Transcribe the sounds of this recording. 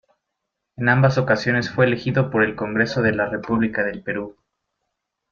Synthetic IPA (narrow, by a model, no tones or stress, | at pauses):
enambaso̞kasjo̞ne̞sfwe̞ːle̞xiðopo̞ɾe̞lko̞ŋɡɾe̞so̞ðe̞lare̞puβlikaðe̞lpe̞ɾu